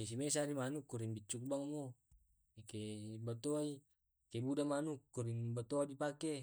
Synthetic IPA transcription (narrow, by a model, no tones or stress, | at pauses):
es̬imes̬aɾimanukːuɾiŋbit͡ʃːuk̚baŋmo | ekebat̪oai | kebudamanukːuɾiŋbat̪oadipake